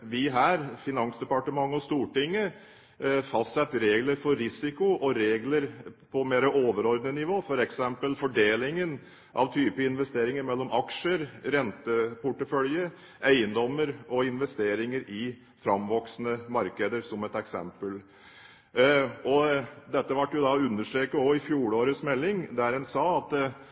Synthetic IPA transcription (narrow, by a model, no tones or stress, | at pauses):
ʋɪɦæːɾfɪnɑnsd̪ɛpɑʈəmɑŋːɔst̪uːʈɪŋːə | fɑst̪sɛt̪ːɾeːɡləɾfɔɾɾɪsɪkʊʔɔɾeːɡləɾpʰɔmeːɾəʔoːʋəɾɔɾd̪nənɪʋoːfɔɾɛksɛmpəlfɔɖeːlɪŋən | ʔɑ̰ʋt̪ʰyːpəɪnʋɛst̪eːɾɪŋəɾmɛlːɔmɑkʂəɾɾɛnt̪əpʰʊʈəfœljə | æɪənd̪ɔmːəɾɔɪnʋɛst̪eːɾɪŋəɾɪ | fɾɑmʋɔksnəmɑɾkəd̪əɾsɔmɛt̪ɛksɛ̰mpəl | ɔd̪ɛt̪ːəʋɑʈːjʊd̪ɑʉnːəʂʈɾeːkəɔɪfjuːɽoːɾəsmɛlːɪŋd̪æɾɛnsɑːɑt̪